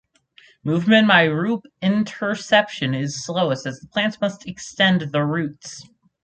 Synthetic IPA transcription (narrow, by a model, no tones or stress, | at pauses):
muvmɨ̃nbaɪɹʉpɪ̃ntʰə˞sɛpʃɨ̃nɪz̥sloʊəsɨzðəpʰl̥æ̃ntsmʌstʰɨkstɛ̃nðəɹʉts